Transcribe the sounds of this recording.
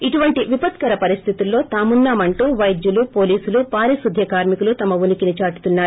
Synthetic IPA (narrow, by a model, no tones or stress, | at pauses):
iʈuʋɐɳʈiʋipɐt̪kɐɾɐpɐɾist̪ʰit̪ulːo̞ːt̪aːmunːaːmɐɳʈuːʋɐjd̪julupo̞ːliːsulupaːɾisud̪ʱjɐkaːɾmikulut̪ɐmɐʋunikinit͡ʃaːʈu̥t̪unːaːɾ